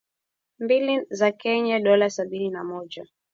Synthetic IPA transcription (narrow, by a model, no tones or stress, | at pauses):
mbilizakɛɲaɗɔlasaɓininamɔʄa